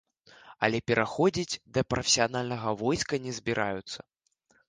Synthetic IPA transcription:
ɐlʲɛpʲɛɾʔaxɔd͡zʲid͡zʲd̪ɐpɾɔfʲesʲijanalʲnɐɣɐvɔjskɐnʲɛzʲbʲiɾʔajut̪sːɐ

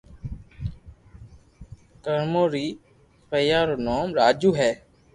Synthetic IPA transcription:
kəɾmoːɾiː | pəːjaːɾoːnoːmɾaːd͡ʒuːɦɛː

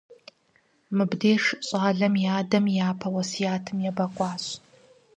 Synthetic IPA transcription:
mɨbdeːʂɕʼaːɮɐmjaːdɐmjaːpʰɐwɐsijaːtʰɨmjɛbɐkʷʼɑːɕ

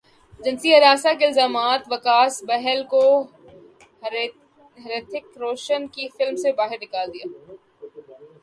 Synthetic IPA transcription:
d͡ʒɐnsiɐɾaːsakeɪlzaːmaːt̪ʋɐkaːsbɛɦɛlko | ɦɐɾeːt̪ʰɪkɾoːʃənkifɪlmsebaːɦɪɾnɪkaːld̪ijaː

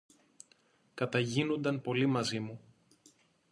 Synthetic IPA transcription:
kɐt̪ɐʝinond̪ɐnpo̞limɐzimu

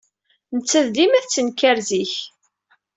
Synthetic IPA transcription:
nət͡sːæðd̪imæθt͡sːənkæɾziç

